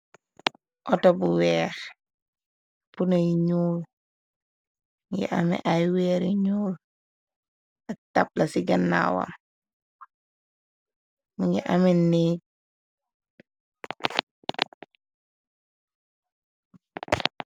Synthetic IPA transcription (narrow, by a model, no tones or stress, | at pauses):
ʔɔtɔbuwɛːx | punajiɲuːl | ŋɡḭʔa̰mḭʔajwɛːɾiɲuːl | atap̚lasiɡanːa̰wa̰m | miŋɡiʔaminiːk̚